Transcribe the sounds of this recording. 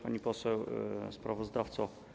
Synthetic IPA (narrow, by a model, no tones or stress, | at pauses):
paɲipɔsɛwspɾavɔzd̪aft̪sɔ